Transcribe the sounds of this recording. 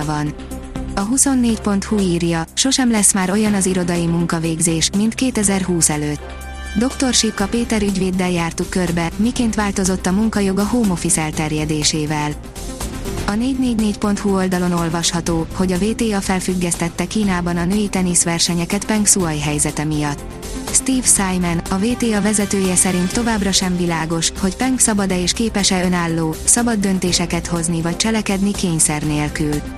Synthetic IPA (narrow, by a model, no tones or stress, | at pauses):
vɒn | ɒɦuso̞nːeːcpo̞nt̪huiːrjɒʃo̞ʃɛmlɛsmaːɾo̞jɒnɒziɾo̞d̪ɒjimuŋkɒveːɡzeːʃmint̪keːt̪ɛzɛrɦuːsɛløːt̪ː | d̪o̞kt̪o̞rʃipːɒpeːt̪ɛɾyɟʋeːd̪ːɛljaːrt̪ukːø̞rbɛmikeːnt̪ʋaːlt̪o̞zo̞t̪ːɒmuŋkɒjo̞ɡɒɦoːmo̞fisɛlt̪ɛrjɛd̪eːʃeːvɛl | ɒneːɟneːɟneːcpo̞nt̪huo̞ld̪ɒlo̞no̞lvɒʃhɒt̪oːho̞ɟɒveːt̪eːɒfɛlfyɡːɛst̪ɛt̪ːɛkiːnaːbɒnɒnøːit̪ɛnisʋɛrʃɛɲɛkɛt̪pɛŋksuɒjɦɛjzɛt̪ɛmijɒt̪ː | st̪iːfsajmɛnɒveːt̪eːɒvɛzɛt̪øːjɛsɛɾint̪ːo̞vaːbrɒʃɛmvilaːɡo̞ʃho̞cpɛŋksɒbɒd̪ɛeːʃkeːpɛʃɛønaːlːoːsɒbɒd̪ːø̞nt̪eːʃɛkɛt̪ho̞znivɒc̚t͡ʃɛlɛkɛd̪nikeːɲsɛrneːlkyl